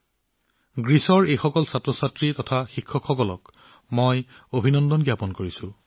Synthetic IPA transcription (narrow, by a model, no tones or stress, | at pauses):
ɡɹisɔɹejxɔkɔlsatɹɔsatɹitɔtʰaxikʰːɔkʰxɔkɔlɔ̰k | mojobʱinɔndɔnɡijapɔnkoɹisʊ